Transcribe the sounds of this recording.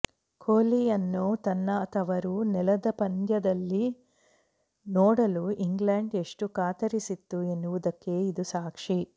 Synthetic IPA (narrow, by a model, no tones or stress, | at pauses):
kʰoːlijɐnːut̪ɐnːɐːt̪ʰɐʋɐɾunɛlɐd̪ɐpɐnd̪jɐd̪ɐlːi | nɔːɽɐluʔiŋɡlɐɳɖeʂʈukaːt̪ɐɾisit̪ːuenːuʋud̪ɐkːe̞ːid̪usaːkʂi